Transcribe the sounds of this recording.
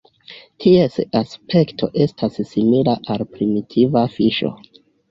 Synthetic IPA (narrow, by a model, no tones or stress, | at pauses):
tʰie̞saspe̞ktʰo̞ʔe̞stʰassimilaʔalpɾimitʰivafiʃo̞̰